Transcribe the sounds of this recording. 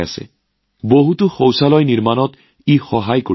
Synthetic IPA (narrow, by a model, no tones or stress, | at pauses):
asɛ̰ | boɦutʊxowsalɔjniɹmanɔt | ixɔɦajko